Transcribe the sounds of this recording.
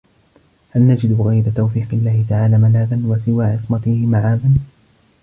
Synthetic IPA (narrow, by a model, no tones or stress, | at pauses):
halnad͡ʒɪd̪ɣajbat̪awfiːqɪlːaːhɪt̪aʕaːlaːmalaːðanwasɪwaːʕɪsˤmat̪ɪhɪmaʕaːðan